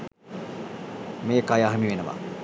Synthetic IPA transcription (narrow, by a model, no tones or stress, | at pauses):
meːkajaːɦemiʋenəʋa̰